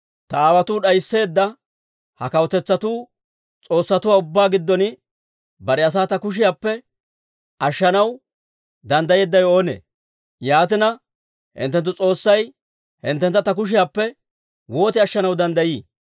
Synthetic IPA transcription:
t̪ɐaːwɐt̪uːɗɐjsːe̞ːd̪ːɐ | hɐkɐwɔt̪ɛt͡sːɐt̪uː | t͡sʼo̞ːsːɐt̪ʊwaːʊbːaːɡɪd̪ːɔnɪ | bɐɾɛɐs̬aːt̪ɐkʊʃ̬ɪjaːpːɛ | ʔɐʃːɐnɐw | d̪ɐnd̪ɐjeːd̪ːɐjo̞ːnḛː | jaːt̪ɪnɐ | hɪ̰nt̪ːɛnt̪ːʊt͡sʼo̞ːsːɐj | hɪ̰nt̪ːɛnt̪ːɐt̪ɐk̬ʊʃ̬ɪjaːpːɛ | wo̞ːt̪ɪɐʃːɐnɐwd̪ɐnd̪ɐjiː

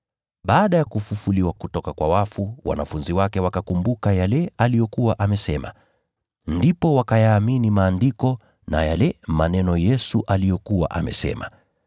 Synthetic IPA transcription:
ɓaːɗajakufufuliwakutɔkakwawafuwa̰nafunziwakɛwakakumbukajalɛalijɔkuwaʔamɛsɛma̰ | ndipɔwakajaːminimaːndikɔ | na̰jalɛmanɛnɔjɛsuʔalijɔkuwa̰ʔa̰mɛ̰sɛ̰ma̰

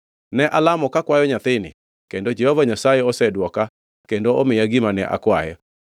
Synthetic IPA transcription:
nɛʔalamɔkakwajɔɲat̪ɪnɪ̰ | kendod͡ʒehɔvaɲasajɛɔsɛdwɔka | kendoomɪjaɡimanɛʔa̰kwaɛ

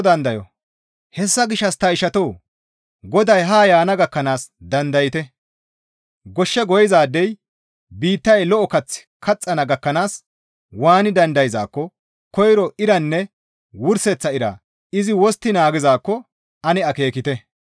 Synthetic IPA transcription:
d̪ɐnd̪ɐjɔ̰ | hɛsːɐɡɪʃːɐst̪ɐɪʃɐt̪oː | ɡɔd̪ɐjɦaːjaːnɐɡɐkːɐnaːsd̪ɐnd̪ɐjɪt̪ɛ | ɡɔʃːɛɡɔjɪzaːd̪ːɛj | biːt̪ːɐjlɔʔɔkɐt͡sːɪ̥kʰɐt͡sʼːɐnɐɡɐkːɐnaːs | waːnɪd̪ɐnd̪ɐjɪza̰ːkːɔ | kɔjɾɔɪɾɐnːɛ | wʊɾsɛt͡sːɐɪɾa̰ | ɪzɪwɔst̪ːɪnaːɡɪzaːkːɔ | ɐnɪɐke̞ːkɪt̪ɛ

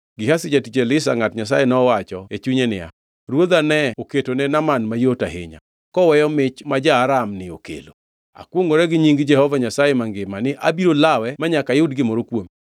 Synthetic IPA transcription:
ɡɪhasɪd͡ʒatit͡ʃelɪsa̰ŋatɲas̬ajenɔːwat͡ʃɔet͡ʃuɲenɪ̰a̰ | ɾwod̪anɛoketonɛnamanmajotaɦɪ̰ɲa̰ | kɔwɛjɔmɪt͡ʃmad͡ʒaːɾamnɪo̰kḛlo | a̰kwoŋɡoɾɛɡɪɲiŋɡd͡ʒɛhɔvaɲasajemaŋɡɪmanɪʔa̰biɾolawɛmaɲakajʊdɡɪmɔɾokwomi

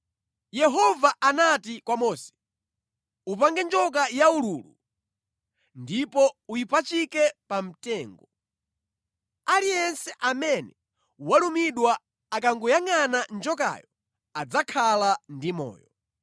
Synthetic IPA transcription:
jɛɦɔvaʔanatikwamɔːsɛ̥ | upaŋɡɛnd͡ʒɔk̬ajauɾuːlṵ | ndipɔujipat͡ʃikɛpam̩tɛːŋɡɔ | alijɛnsɛʔamɛnɛ | walumiɗwaː | k̬aŋɡujaŋanand͡ʒɔka̰jɔ | ad͡zakʰalandimɔ̰ːjɔ

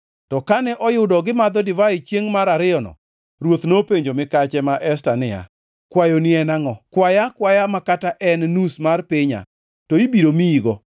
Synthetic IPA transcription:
tɔkanɛʔɔjʊdɔɡɪmad̪ɔdɪvait͡ʃjeŋmaɾaɾɪɔnɔ̰ | ɾwot̪nopeɲd͡ʒomɪkat͡ʃɛmaʔɛs̬tanɪa̰ | kwajonɪɛnaŋɔkwajakwajamakataʔɛnnusmarpɪɲa̰ | toibiɾomiiɡɔ

